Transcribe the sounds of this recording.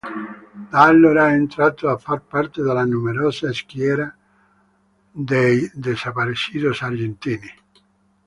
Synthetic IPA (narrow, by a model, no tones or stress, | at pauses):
d̪alːoɾaent̪ɾaːt̪oafːarpart̪ɪd̪alanumeɾɔːsaskjɛːɾa | d̪ejd̪esapaɾisiːd̪osard͡ʒent̪iːni